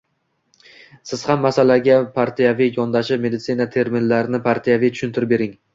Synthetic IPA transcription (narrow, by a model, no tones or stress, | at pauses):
sɪz̥hamːasalaɡʲapʰaɾt̪ʰijavijɒnd̪aʃɪme̞d̪ɪt̪sinat̪ʰe̞ɾmɪnlaɾnɪpʰaɾt̪ʰijavijt͡ʃ̪ʰʊʃʊnt̪ʰɪɾɪpbe̞ɾɪŋ